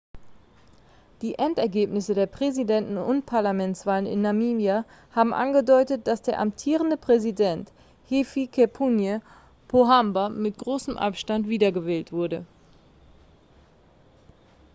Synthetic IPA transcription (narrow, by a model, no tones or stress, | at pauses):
d̥iːʔɛntɛɐɡeːpnɪsədeːɐpʁ̥ɛzidɛntn̩ʊnt̚pʰaɐlamɛnt͡sv̥aːlənɪ̰nːamiːmjahaːbm̩ʔa̰nɡədɔʏtət̚d̥asd̥eːɐʔa̰mtʰiːʁəndəpʁ̥ɛzidɛnt | hefikʰɛpʰunjə | pʰoɦambamɪt̚ɡ̥ʁoːsəmʔa̰pʃtantv̥iːdɐɡəvɛːltv̥ʊɐdə